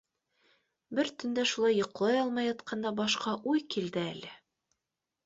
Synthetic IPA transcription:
bɘɾt̪ɵ̆nd̪æʃulˠɑjːŏq̆lˠɑjɒlˠmɑjɑt̪qʰɑnd̪ɑbɒʃqɑʔujkild̪ɘælɘ

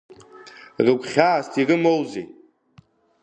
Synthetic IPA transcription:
rɨɡʷʰʼχʲaːstʰirɨmowze

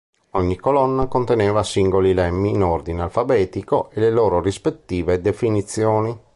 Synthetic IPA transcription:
ɔɲːikolɔnːakont̪enɛːvasiŋɡolilɛmːiːnɔrd̪inealfabɛːt̪ikoʔeleloːɾorispet̪ːiːved̪efinit̪sːjoːni

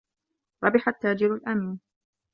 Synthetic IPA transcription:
ɾˤɑbɪħat̪ːaːd͡ʒɪɾalʔamiːn

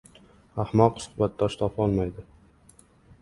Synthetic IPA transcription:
ahmɒqsʊ̥χbat̪̚d̪ɒʃt̪ʰɒfɒlˠmajd̪ɪ

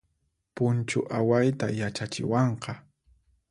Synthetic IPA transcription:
pʊnt͡ʃʊʔawajt̪ajat͡ʃat͡ʃɪ̰wɑɴqɑ

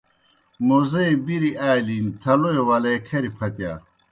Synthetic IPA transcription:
mozɐebiɾiaːlint̪ʰɐloewɐlɐkʰɐɾipʰɐt̪ja̰ː

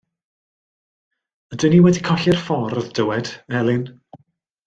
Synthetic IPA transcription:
ədəniwɛdikʰɔɬɪrfɔɾɔðd̥əwɛd̥ɛlˠɪn

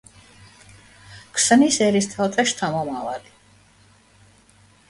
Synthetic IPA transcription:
kʰsnisɛɾist̪ʰalt̪ʰaʃt̪ʰamɔmavali

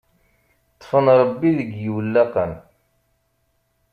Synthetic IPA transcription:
t̪ˤːfənɾˤəbːiðəɡjiwlːɑqən

